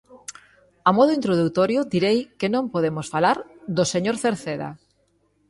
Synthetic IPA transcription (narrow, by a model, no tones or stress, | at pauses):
amɔðoint̪ɾoð̞ut̪oɾjod̪iɾejkenõmpoðemosfalaɾd̪oseɲoɾθeɾθeða̰